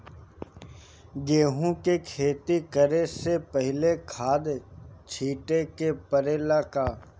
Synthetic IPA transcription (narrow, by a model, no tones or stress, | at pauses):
ɡeːɦũkekʰeːt̪ikəɾesepəɦɪlekʰaːd̪t͡ʃʰiːʈekepəɾeːlaːkaː